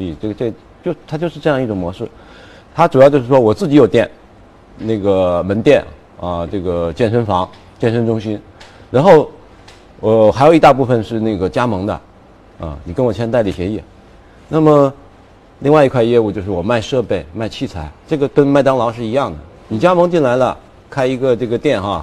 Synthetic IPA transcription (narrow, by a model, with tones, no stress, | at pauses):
ʈ͡ʂɤ˥˩ɡə˩ʈ͡ʂɤ˥˩ɡə˩ | t͡ɕjo˥˧ʊʂt̪ʰa˥t͡ɕjo˥˧ʊʂɻ̩˥˧ʈ͡ʂɤ˥˧jɑ˥˧ŋi˥˩ʈ͡ʂʊ˨˩ŋmwɔ˧˥ʂɻ̩˥˩ | t̪ʰa˥ʈ͡ʂu˨˩jt͡ɕjo˥˧ʊʂɻ̩˥˩ʂwɔ˥wɔ˨˩t͡sɹ̩˥˩t͡ɕi˧˥jo˨˩ʊt̪jɛ˥˩n | ne˥˩ɡə˩mə˧˥nt̪jɛ˥˩n | ɐ˧ʈ͡ʂɤ˥˩ɡə˩t͡ɕjɛ˥˩nʂə˥nfɑ˧˥ŋ | t͡ɕjɛ˥˩nʂə˥nʈ͡ʂʊ˥ŋɕi˥n | ɻa˧˥nxo˥˩ʊ | ə˥˩xa˧˥jo˨˩ʊ˧˥t̪a˥˧p̬u˥˩fə˧nʂɻ̩˥˧ne˥˩ɡə˩t͡ɕja˥mɤ˧˥ŋd̪ə̰˧ | ə̰˧ni˨˩kə˥nwɔ˨˩t͡ɕʰjɛ˥nt̪a˥˩ɪli˨˩ɕjɛ˧˥ɛ˥˩ | na˥˩mə˩ | li˥˧ŋwa˥˩ɪ˧kʰwa˥˧jɛ˥˧u˥˩t͡ɕjʂɻ̩˥˩wɔ˨˩ma˥˧ɪʂɤ˥˧pe˥˩ɪma˥ɪt͡ɕʰi˥˩t͡sʰa˧˥ɪʈ͡ʂɤ˥˩ɡə˩kə˥nma˥˩ɪt̪ɑ˥ŋlɑ˧˥ʊʂɻ̩˥˩i˧˥jɑ˥˩ŋd̪ə̰˩ | ni˨˩t͡ɕja˥m˧˥ŋt͡ɕi˥˩nla˧˥ɪlə̰˧ | kʰa˥ɪi˧˥ɡə˧ʈ͡ʂɤ˥˩ɡə˩t̪jɛ˥˩nxɑ˧˩